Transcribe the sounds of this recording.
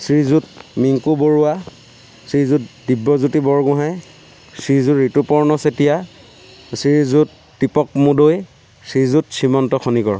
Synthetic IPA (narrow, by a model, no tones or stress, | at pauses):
sɹizut̚miŋkuboɹuwa | sɹizutdibːɔzutibɔɹɡʊ̃ɦaj | sɹizuɹitupɔɹnɔsetija | siɹzut | dipɔkmudoj | sizutsimɔntɔkʰonikɔɹ